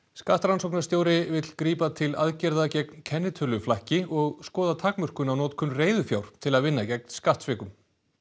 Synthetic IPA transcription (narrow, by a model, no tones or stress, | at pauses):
skaht̪ɾansowknḁst̪joːwɾɪvɪt̪l̥kɾiːpat̪ʰɪla̰ðcɛɾðacɛkncʰɛnːɪt̪ʰʏlʏflahcɪʔɔɣskɔːðat̪ʰakmœr̥kʏnawnɔːt̪kʰʏnreːjðʏfjawɾ̥t̪ʰɪlaðvɪnːacɛk̚nskaht̪svɪːkʏm